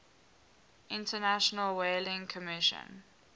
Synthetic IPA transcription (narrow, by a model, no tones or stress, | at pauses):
ʔɪ̃ntənaʃɔnəlwelɪ̃ŋkʰɔmɪʃə̰̃n